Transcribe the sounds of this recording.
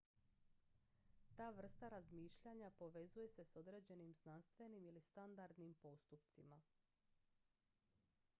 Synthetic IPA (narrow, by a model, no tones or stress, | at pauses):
t̪aːʋr̩st̪aɾazmiːʃʎaɲapo̞ʋe̞zuje̞se̞so̞d̪ɾe̞ːd͡ʑe̞nimznanst̪ʋe̞nimilist̪and̪aɾd̪nimpo̞st̪upt̪sima